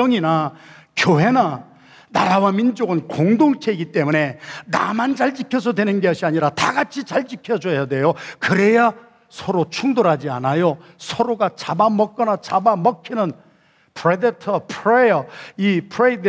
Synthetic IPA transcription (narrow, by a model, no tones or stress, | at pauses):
ʌŋina | kjoɦe̞na | naɾawamind͡ʑoɡɯnkoŋdoŋt͡ɕʰe̞iɡit͈e̞mune̞na̰mand͡ʑaɭt͡ɕikʰjʌsʰʌdwe̞nɯnɡeʌɕʰiaɲiɾata̰ɡat͡ɕʰit͡ɕaɭt͡ɕikʰjʌd͡ʑʌjadwe̞jokɯɾe̞ja | sʰʌɾot͡ɕʰuŋdoɾɦad͡ʑia̰najosʰʌɾoɡat͡ɕabamʌk̚k͈ʌnat͡ɕabamʌkʰinɯn | pʰɾedetʰʌpʰɾejʌipʰɾed